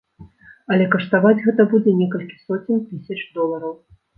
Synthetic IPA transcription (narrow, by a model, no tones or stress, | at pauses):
ɐlʲɛkɐʂt̪avad͡zʲɣɛt̪ɐbud͡zʲɛnʲɛkɐlʲkʲi̥sɔt͡sʲinʲt̪ɨsʲɐt͡ʂd̪ɔlˠɐɾɐw